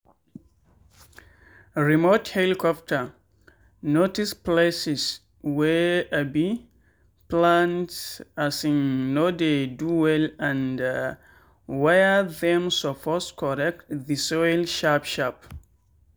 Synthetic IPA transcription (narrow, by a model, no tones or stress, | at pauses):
ɹimothɛlikʰɔftʰə | notisplesis | wɛabi | plãntasĩŋnodeduwɛlãnd | wajəðɛ̃msofɔskʰɔɹɛk̚tðisɔjlʃapʃap̚